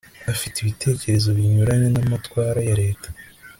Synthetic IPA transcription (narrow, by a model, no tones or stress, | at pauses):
afitiβitʰe̞ːce̞ɾe̞zo̞βiɲuɾaɲenamatkwaːɾajaɾe̞ːtḁ